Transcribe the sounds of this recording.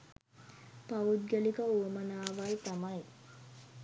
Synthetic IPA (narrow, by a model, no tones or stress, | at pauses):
paud̪̚ɡəlikəuəmənaːʋajt̪amaj